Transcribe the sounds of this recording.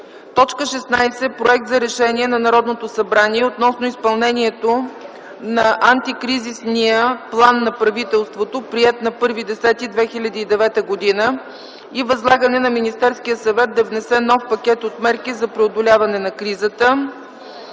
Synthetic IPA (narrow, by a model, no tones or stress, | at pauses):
t̪ɔt͡ʃkəʃɛsnajsɛpɾoɛk̚t̪zɐɾɛʃɛniɛnɐnɐɾɔd̪not̪osɐbɾaniɛot̪nɔsnoispɐlˠnɛniɛt̪o | nɐʔant̪ikɾizisniəplˠanːɐpɾɐvit̪ɛlˠst̪vot̪opɾiɛt̪nɐpɤɾvid̪ɛsɛt̪id̪vɛxilʲɐd̪iːd̪ɛvɛt̪əɡod̪inə | ivɐzlˠaɡənɛnɐminist̪ɛɾskijəsɐvɛt̪̚d̪ɐvnɛsɛnɔfpɐkʲɛt̪ot̪mɛɾkizɐpɾɛod̪olʲavɐnɛnɐkɾizət̪ə